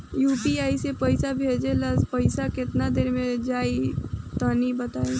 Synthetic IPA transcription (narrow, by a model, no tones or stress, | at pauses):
juːpiaːisepəɪsabʱeːd͡ʒeləzpəɪsakɪt̪nad̪eːɾmẽd͡ʒaːit̪aːnibət̪aːe